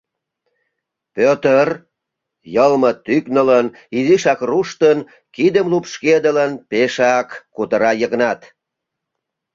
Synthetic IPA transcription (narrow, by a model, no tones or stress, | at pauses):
pøt̪ər | jəlmət̪yknələn | iziʃɑkruʃt̪ən | kid̪əmlupʃked̪ələnpeʃɑkːut̪əɾɑjəɣnɑt̪